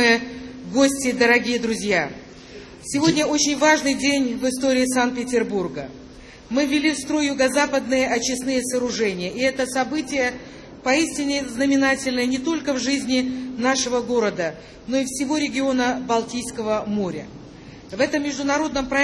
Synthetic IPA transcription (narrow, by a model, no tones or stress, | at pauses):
ɨjəɡosʲtʲɪd̪əɾɐɡʲijəd̪ɾʊzʲja | sʲɪvo̞dʲnʲəo̞t͡ɕɪnʲvaʐnɨjdʲenʲvɨst̪o̞ɾʲɪːsant̪̚pʲɪtʲɪrburɡə | mɨvʲɪlʲifst̪ɾo̞jjʊɡɐzapəd̪̚nɨjəʔɐt͡ɕːɪsnɨjəsəɾʊʐɛnʲɪjəʔɪɛt̪əsɐbɨtʲɪjə | pɐisʲtʲɪnʲɪznəmʲɪnatʲɪlʲnɨjənʲɪt̪o̞lʲkəvʐɨzʲnʲɪnaʂɨvəɡo̞ɾəd̪ə | no̞ɪfsʲɪvo̞ɾʲɪɡʲɪo̞nəbɐlˠtʲijskəvəmo̞ɾʲə | vɛt̪əmːʲɪʐd̪ʊnɐɾo̞d̪nəmpɾɐ